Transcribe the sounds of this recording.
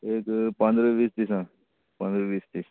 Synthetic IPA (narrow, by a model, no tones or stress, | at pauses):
eːkpɐ̃nd̪ɾəʋiːst̪isã | pɐ̃nd̪ɾəʋiːst̪is